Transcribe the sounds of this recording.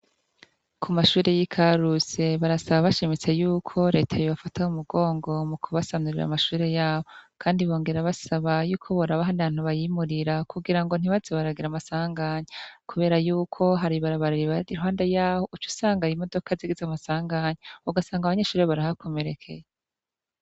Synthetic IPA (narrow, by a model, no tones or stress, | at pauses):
kʰumaʃuːɾe̞jikʰaɾuse̞βaɾasaβaβaʃimit͡se̞juːkʰo̞ɾe̞tʰajoβafatawumuɡo̞ːŋɡo̞mukʰuβasanuɾiɾa̰maʃuːɾe̞jaːβokʰaːndiβo̞ːŋɡe̞ɾaβasaβajuːkʰo̞βoɾaβaɦandaβaːn̥huβajimuɾiɾakuɡiɾaŋɡo̞n̥iβazeβaɾaɡiɾamasaːŋɡaɲekʰuβe̞ːɾajuːkʰo̞ɦaɾiβaɾaβaɾiɾiβaɾiɾuhaːndejaːhoit͡ʃu̥saːŋɡaɾimo̞do̞kʰaziɡizamasaːŋɡaɲeuɡasaːŋɡaβaɲe̞ʃuːɾeβaɾahakʰo̞me̞ɾe̞kʰe̞̰je